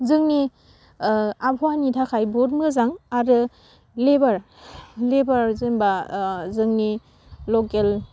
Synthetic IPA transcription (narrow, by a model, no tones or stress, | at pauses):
zɯŋni | abʰɔwanitʰakʰajbɔt̚mɯzaŋaɾɯ | lebaɾ | lebaɾzɯmbazɯŋni | lɔkel